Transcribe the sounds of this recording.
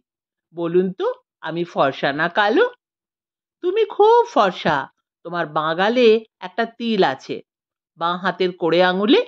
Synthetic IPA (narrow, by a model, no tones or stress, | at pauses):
bolunt̪o | a̰mifɔɾʃanakalo | t̪umikʰubfɔɾʃa̰ | t̪omaɾbãɡaleɛk̚ʈat̪ilat͡ɕʰḛ | bãɦat̪eɾkoɽeaŋule